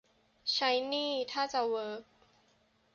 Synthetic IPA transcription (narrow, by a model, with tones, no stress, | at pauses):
t͡ɕʰa˦˥jniː˥˩t̪ʰaː˥˩t͡ɕa˨˩wɤː˨˦˥k̚